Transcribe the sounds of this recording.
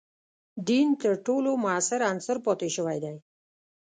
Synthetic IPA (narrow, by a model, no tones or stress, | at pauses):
d̪int̪əɾʈolomʊasɪɾansʊɾpɔt̪eʃəwajd̪aj